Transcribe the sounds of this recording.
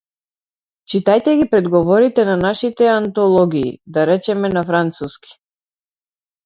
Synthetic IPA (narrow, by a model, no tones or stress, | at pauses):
t͡ʃit̪ajt̪ɛɡipɾɛd̪ɡɔvɔɾit̪ɛnanaʃit̪ɛant̪ɔlˠɔɡḭːd̪aɾɛt͡ʃɛmɛnafɾant̪suski̥